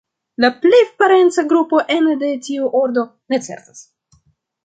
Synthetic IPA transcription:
laplepaɾe̞nt͡saɡɾupo̞ʔe̞nde̞tiuʔoɾd̪o̞ne̞t͡se̞̰ɾt̪as

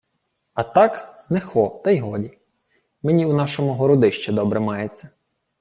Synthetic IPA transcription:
ɐt̪ɑknɛxɔt̪ɐjɦɔdʲi | menʲiunɑʃɔmʊɦɔɾɔd̪ɪʃt͡ʃɛd̪ɔbɾɛmɑjet͡sʲːɐ

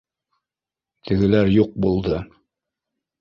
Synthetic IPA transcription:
t̪ʰɘ̆ɡɘ̆læɾjuq̚bulˠd̪ɤ

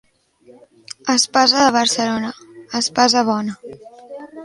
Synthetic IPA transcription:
əspazəðəβ̞əɾsəlonə | əspazəβ̞ɔnə

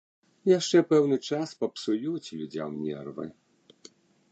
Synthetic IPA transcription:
jaʂt͡ʂɛpɛwnɨt͡ʂaspɐpsujut͡sʲlʲud͡zʲa̰mnʲɛ̰rvɨ̰

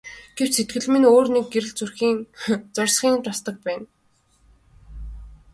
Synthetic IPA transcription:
ɡ̥ewt͡ɕset̪̚ɡɘ̆ɮmɘ̆noːrnek̚ɡeɾɘ̆ɮt͡surxiːŋt͡sɔrsχiːŋt̪ʰast̪ə̆k̚pæːn

